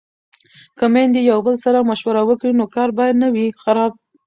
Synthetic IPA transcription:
kəmend̪ijawbəlsaɾamaʃwaɾawəkɽinokɑɾbɑjad̪nawixaɾɑb̚

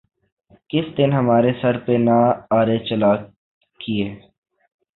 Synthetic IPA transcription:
kɪsd̪ɪnɦəmaːɾesəɾpenaaːɾet͡ʃəlaː | kieː

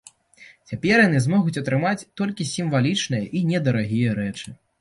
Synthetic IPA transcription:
t͡sʲapʲɛrjanɨzmɔɣut͡sʲɐt̪ɾɨmat͡sʲt̪ɔlʲkʲisʲimvalʲit͡ʂnɨjɐʔinʲɛd̪ɐɾaɣʲijɐɾɛt͡ʂɨ

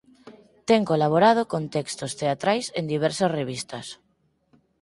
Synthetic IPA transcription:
t̪eŋkolaβ̞oɾað̞okont̪ɛkst̪ost̪eat̪ɾajsend̪iβ̞ɛɾsasreβ̞ist̪as

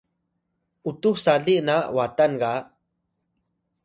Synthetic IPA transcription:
ut̪uxsaɮiʔnawat̪anɡa

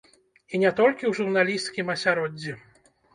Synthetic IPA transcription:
inʲɛt̪ɔlʲkʲiwʐurnalʲist̪kʲimɐsʲaɾɔd͡zʲːi

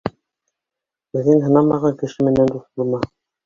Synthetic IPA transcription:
bɘ̆ðːɘŋɦɤ̆nɑmɑʁɑŋkɘ̆ʃɘmɘ̆nænd̪uθbŭlˠmɑ

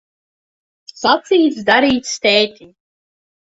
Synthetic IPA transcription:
sat̪siːt̪s̬d̪aɾiːt̪ʲst̪ɛːt̪ʲi

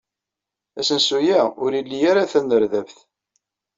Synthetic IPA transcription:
æsənsujæʊɾilːijaɾaθænːəɾðævθ

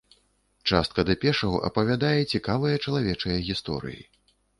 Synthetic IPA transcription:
t͡ʂast̪̚kɐd̪ɐpʲɛʂɐɣuʔɐ̰pɐvʲad̪ajɛt͡sʲikavɨjɐt͡ʂɐlˠavʲɛt͡ʂɐjɐɣʲist̪ɔ̰ɾɨ̰jḭ

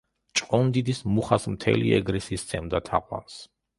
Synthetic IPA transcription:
t͡ʃʼqʼɔnd̪id̪ismuχasmt̪ʰɛ̰lḭɛ̰ɡɾɛsiːst̪sʰɛmd̪at̪ʰaqʼwa̰ns

